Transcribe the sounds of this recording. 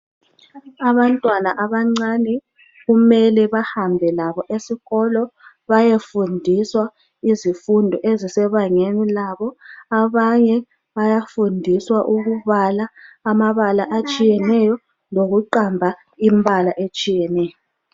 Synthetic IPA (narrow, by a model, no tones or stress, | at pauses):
aβantʼwanaʔaβaŋ͡ǀanɛ | ɣumɛlɛβahambʱɛlaβɔʔesiɣɔlɔ | βajefundʱiswa | izifundʱɔʔezisɛβaŋenilaβɔaβaɲɛ | βajafundʱiswaʔuɣuβalaːmaβalaʔat͡ʃʼijɛnɛjɔ | loɣuǃambʱa | imbʱalaʔet͡ʃʼijɛnɛːjɔ